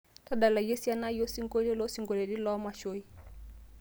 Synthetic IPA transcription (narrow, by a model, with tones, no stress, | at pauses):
ta˦ɗa˨la˨jɛ˦si˦a˦na˦i˦ɔ˦si˦ŋɡɔ˦lɛ˦lɔ˦si˨ŋɡɔ˨lɛ˨di˦lɔ˦ɔ˦ma˨ʃɔ˦i˦